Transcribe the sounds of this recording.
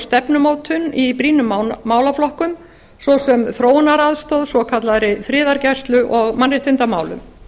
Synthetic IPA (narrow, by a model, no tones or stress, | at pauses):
st̪ɛpnʏmoːwt̪ʰʏnipɾiːnʏmmaːwlaflɔhkʏm | sɔsɛmθɾoːwnaɾaðst̪oːwðsɔkʰat̪laɾɪfɾɪːðaɾcast̪lʏʔɔɣmanrɪht̪ɪnt̪ama̰ːwlʏ̰m